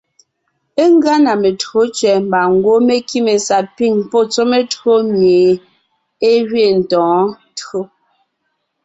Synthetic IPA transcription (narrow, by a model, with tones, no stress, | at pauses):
e˦ŋ˦ɡa˦na˨me˨txo˦t͡ʃɥɛ˨m̩˨ba˨ŋ˦˨ɡwo˦me˦ki˦me˨sa˨pi˦˨ŋpɔ˦˨t͡so˦me˦tɰo˦mje˨ | e˦ɣɥe˦˨n̩˨tɔ̃ː˨˦ | tɰo˦